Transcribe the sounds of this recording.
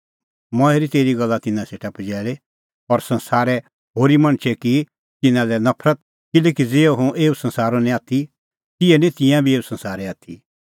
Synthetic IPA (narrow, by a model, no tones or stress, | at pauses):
mɔ̃ɛɾit̪eːɾiɡɐlːat̪ɪnãseːʈʰapɐd͡ʒɛːɭe | ɔɾsɐ̃nsaːɾɛ | ɦoːɾimɐ̃ɽ̃t͡ʃʰɛki | t̪ɪnãlɛnɐpʰɾət̪̚ | kɪleːkid͡zeːoɦũeːusɐ̃nsaːɾonĩaːt̪ʰi | t̪ɪɛnĩt̪ɪ̃jãbʱieːusɐ̃nsaːɾɛaːt̪ʰi